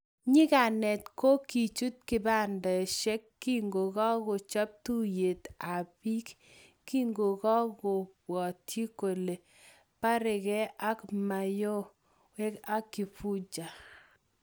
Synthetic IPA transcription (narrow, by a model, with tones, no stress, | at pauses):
ɲɪ˦ka˨nɛ˨tko˦ki˨t͡ʃu˦t̚kɪ˨ba˦˨ndɔ˨ɛ˨ʃɛ˦kːi˦ŋɡo˨ɣɔ˦ɣɔ˨t͡ʃɔ˦p̚tu˦je˨t̪a˨bi˦k | kːi˦ŋɡo˨ɣɔ˦ɡɔ˨wɔ˨tʰji˦ko˨le˨ | pa˦ɾɪ˨ɡɛ˦a˦kma˨jo˦ | wɛ˦ka˦kːɪ˨fu˦d͡ʒa˨